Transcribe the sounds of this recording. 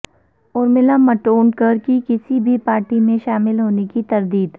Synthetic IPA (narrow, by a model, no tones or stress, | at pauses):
ʊɾmɪlamɐʈoːɳkɐɾkikɪsibʱipaːɾʈimẽʃaːmɪlɦoːnekit̪ɐɾd̪iːd̪